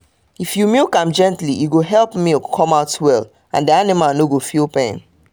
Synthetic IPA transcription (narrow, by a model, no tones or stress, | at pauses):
ifjumilkãmd͡ʒɛ̃ntlijuɡoɦɛlˠpmikkʰɔ̃maʊtwɛl | ãndianimalnoɡofiopɛ̃n